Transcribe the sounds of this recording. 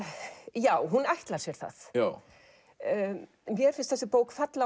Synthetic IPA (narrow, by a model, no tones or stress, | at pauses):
jaːwɦunajht̪laɾsjɛɾ̥θa̰θ | mjɛɾ̥fɪnst̪θɛsɪpoːwkfat̪la